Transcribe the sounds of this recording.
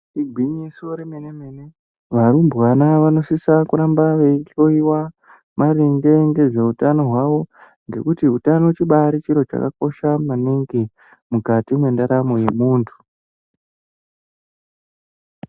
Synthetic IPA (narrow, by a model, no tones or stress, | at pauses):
iɡʱiɲisioɾeme̞neme̞ne | ʋaɾumbwanaʋano̞sisakuɾambaʋeiɬo̞iwa | maɾiŋɡe̞ŋɡe̞ʐe̞utano̞ɦwaʋo̞ | ŋɡe̞̰kutiɦutanot͡ʃiɓaɾit͡ʃiɾo̞t͡ʃa̰ka̰ko̞ʃamaniŋɡi | mukatimwe̞ndaɾamo̞je̞muːntʰu̥